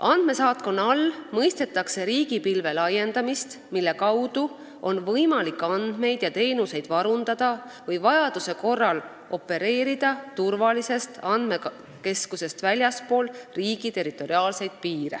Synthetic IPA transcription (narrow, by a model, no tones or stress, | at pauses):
ʔɑnd̪̥me̞sɑːt̪̚ko̞nɑlmɤjst̪e̞t̪ːˑɑkse̞ɾiːɡ̥ipilve̞lɑjːe̞nd̪ɑmist̪ | milːe̞kɑwd̪̥u | o̞nvɤjmɑlikːˑɑnd̪̥me̞jd̪̥jɑt̪e̞ːnuse̞jd̪̥vɑɾund̪̥ɑd̪̥ɑ | vɤjvɑjɑd̪̥use̞ko̞rːɑl | o̞pːˑe̞ɾe̞ːɾid̪̥ɑt̪urvɑlise̞st̪ɑnd̪me̞ | ke̞skuse̞st̪vælʲjɑspo̞ːlriːɡ̥it̪e̞ɾit̪ːˑo̞ɾiɑːlse̞jd̪̥̚piːɾḛ